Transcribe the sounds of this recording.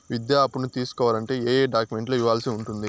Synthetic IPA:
ʋid̪jaːpunut̪iːsu̥kɔːʋaːlɐɳʈe̞ːeːɖaːkjume̞ɳʈlo̞ːiʋːaːlsiuɳʈund̪i

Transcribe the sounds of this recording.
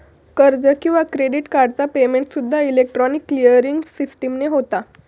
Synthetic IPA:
kəɾd͡zəkĩw̃ʋakɾeɖiʈkaɾɖt͡sapemeɳʈsud̪ʱːailek̚ʈɾɔnikːlijəɾiŋɡsisʈəmneɦot̪a

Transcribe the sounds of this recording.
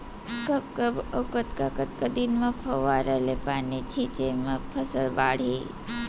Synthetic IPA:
kəpkəbəkət̪kakət̪kəd̪inmãpʰəʋaɾəlepanit͡ʃʰĩt͡ʃemãpʰəsəlba̰ɽ̤i

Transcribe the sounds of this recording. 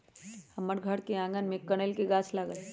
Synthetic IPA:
hɐməɾɡʱəɽkeãːŋɡənmẽkːɐɽelkeɡaːt͡ʃʰlaːɡəl

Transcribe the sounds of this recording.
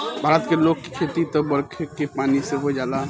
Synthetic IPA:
bʱaːɾət̪keloːɡ̚ki̥kʰet̪it̪obɐɾkʰekepaːniseɦod͡ʒaːla

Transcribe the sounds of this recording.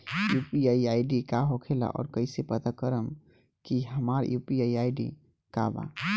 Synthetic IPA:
jupiaiajɖikaɦokʰela̰ʔɔ̰ːɾkəɪsepət̪akəɾəm | kiɦəmaɾjupiaiajɖḭ | ka̰ba̰

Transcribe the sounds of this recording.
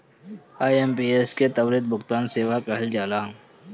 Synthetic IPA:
aːjempiːesket̪ɐwɾɪd̪̚bʊkt̪aːnseːʋakɛɦəld͡ʒaːlaː

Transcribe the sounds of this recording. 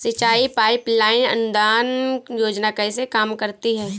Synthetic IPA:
sɪt͡ʃaːipaːɪplaːɪnɐ̰nʊd̪aːnjoːd͡ʒnakɐisekaːmkɐɾt̪iɦɛ̃ː

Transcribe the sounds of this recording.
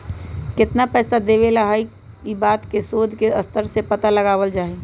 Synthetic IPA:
kɪt̪napɛːsad̪eːʋelaɦi | kibaːt̪kesoːd̪ʱkeɐst̪əɾsepət̪aləɡaːʋəld͡ʒaːɦe

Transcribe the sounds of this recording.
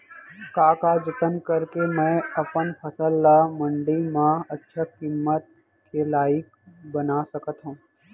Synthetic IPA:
kaːkad͡ʒɪt̪ənkɐɾkemɛ̃ɐpənpʰɐsəlːamɐ̃ɳɖimãɐtːʃʰəkimːət̪̚ | kelaːjɪkbɐnasɐkət̪ɦũː

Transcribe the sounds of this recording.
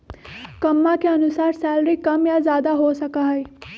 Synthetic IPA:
kəmːakeənʊsaːɾsɛːlɾikɐmjazjaːd̪aɦosəkaɦəj

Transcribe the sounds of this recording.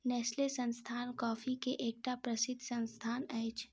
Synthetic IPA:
nɛːslesə̃nst̪ʰaːnkɔːfikeʔeːk̚ʈapɾəsɪd̪ʱsə̃nst̪ʰaːnɛɪt͡ʃʰ

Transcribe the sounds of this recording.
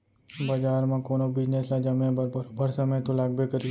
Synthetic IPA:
bɐd͡ʒaːɾmãkoːnobɪd͡ʒneslad͡ʒɐmẽbɾɾbɐɾsɐməjt̪olaːɡ̚bekəɾi

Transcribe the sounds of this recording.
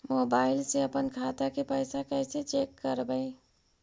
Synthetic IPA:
mobaɪlseəpənkʰat̪akepəjsakəɪset͡ʃekːəɾbəɪ

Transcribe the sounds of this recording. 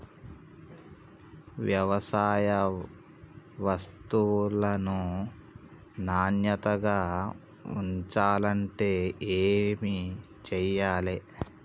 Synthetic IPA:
ʋjɐʋɐsaːjɐ | ʋɐst̪ulɐnu | naːnjɐt̪ɐɡaː | ṵɲt͡ʃaːlɐɳʈe̞ːeːmi | t͡ʃɛjːaːle

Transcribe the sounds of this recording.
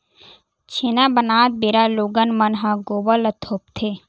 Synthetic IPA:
t͡ʃʰenabənaːt̪̚beɾaloːɡənmənɦãɡoːbələt̪ʰoːp̚t̪ʰe

